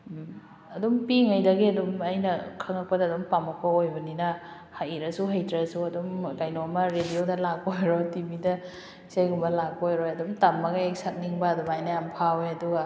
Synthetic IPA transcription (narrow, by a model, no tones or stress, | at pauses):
ɐdumpiŋɐjdɐɡiɐdumɐjnɐkʰɐŋɐk̚pɐdɐːdumpamɐk̚pɐojbɐninɐ | hajɾɐsuɦajtɾɐsuɐdumɡajnoɐmɐɾediodɐlak̚ojɾotibidɐ | isajɡumbɐlak̚pojɾojɐdumtamːɐɡɐek̚sɐk̚niŋbɐːdumajnɐjampʰawejɐduɡɐ